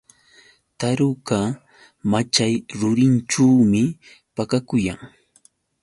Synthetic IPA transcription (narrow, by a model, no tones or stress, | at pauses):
t̪aɾʊka | mat͡ʃajɾʊɾɪnʈ͡ʂaːmɪ | pakakʊjaŋ